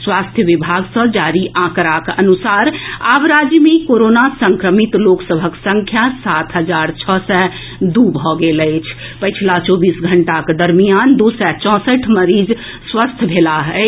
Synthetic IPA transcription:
swast̪ʰjəʋibʱaɡsə̃d͡ʒaɾiʔãkɾakənusaɾabɾad͡ʒjmekoɾonasəŋkɾəmit̪loksəbʱəksə̃ŋkʰjasat̪ʰɦəd͡ʒaɾt͡ʃʰəsɛ̃ | d̪ubʱɔɡeləɪt͡ʃʰpət͡ʃʰilat͡ʃɔbisɡʱəɳʈaked̪əɾmijand̪usɛt͡ʃɔ̃səʈʰməɾid͡ʒ | swəst̪ʰbʱelaɦɛɪ

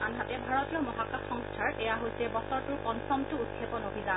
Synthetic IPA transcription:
anɦatɛbʱaɹɔtiɔmɔɦakaxɔŋstʰaɹɛjaɦojsɛbɔsɔɹtʊɹpɔnsɔmtʊud̚kʰepɔnobʱiza

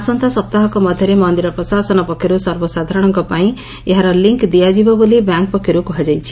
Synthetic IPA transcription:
asɔnt̪ʰasɔp̚t̪aɦɔkɔmɔd̪ʱjɔɾemɔnd̪iɾɔpɾɔsasɔnɔpɔkʰːjɔɾusɔɾbɔsad̪ʱaɾɔɽ̃ɔŋkɔpaĩ | eɦaɾɔliŋkd̪ijad͡ʒibɔbolibjaŋk̚pɔkʰːjɔɾukɔɦad͡ʒajt͡ʃʰi̥

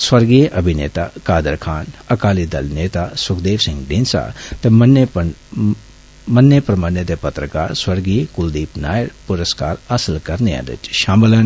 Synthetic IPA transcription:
swɐɾɡiːjʔɐbʱinḛːt̪aːkaːd̪əɾkʰaːnɐkaːlid̪ɐlneːt̪aːsʊkʰd̪eːʋsɪ̃ŋɡɖ̪insa̰t̪emɐnpɐn | mɐnːepɾɐmaːnjət̪epɐt̪ɾəkaːɾswɐɾɡijkʊld̪iːpnaːjəɽpʊɾəskaːɾɐsəlkɐɾnea̰d̪ɪ̰t͡ʃʃaːməlɐn

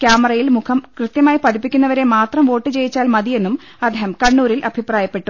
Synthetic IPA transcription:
kʲjaːmɐrɐjilmukʰɐmkrɨt̪jɐmaːjipɐd̪ipːikʲːunːɐʋɐɾe̞maːt̪rɐmʋo̞ːʈːɨt͡ɕe̞jit͡ɕːaːlmɐðije̞nːum | ɐd̪ʱehɐmkɐɳːuːɾilʔɐbʱipraːjɐpːe̞ʈːu

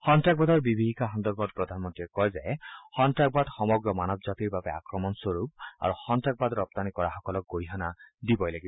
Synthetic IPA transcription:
hɔntɹak̚bad̪ɔɹbibʱiɦikaxɔnd̪ɔɹbɔd̚pɹɔd̪ʱanmɔntɹiɛkɔjzɛhɔntɹak̚bad̪xɔmɔɡɹɔmanɔbzat̪iɹbabɛa̰kɹɔmɔnswoɹup̚a̰ɹuxɔntɹak̚bad̪ɹɔp̚t̪anikɔɹaxɔkɔlɔk̚ɡoɹiɦanadibɔjlaɡibɔ

